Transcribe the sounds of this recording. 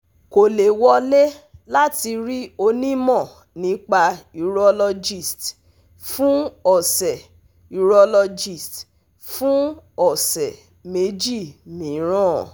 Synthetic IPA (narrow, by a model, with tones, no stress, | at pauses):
ko˨le˨wɔ˧le˦la˦ti˧ɾi˦o˧nĩ˦mɔ̃˦˨ | nĩ˨˦k͡pa˧i˨ɾɔ˧lɔ˧d͡ʒi˦˨st | fũ˦ɔ˨sɛ˨ | i˨ɾɔ˧lɔ˧d͡ʒi˦˨st | fũ˦ɔ˦˨sɛ˨ | me˨˦d͡ʒi˦˨mĩ˨˦ɾ̃ɔ̃˦˨